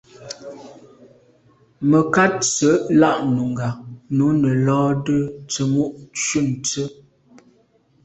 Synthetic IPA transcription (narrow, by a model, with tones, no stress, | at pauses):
mə˨ka˦t̚t͡sə˨˦ʔla˦ʔnu˨ŋ˨ɡa˨nu˨˦nə˨lɔː˦də˦t͡sə˨mu˦ʔt͡ʃu˦˨n˨t͡sə˦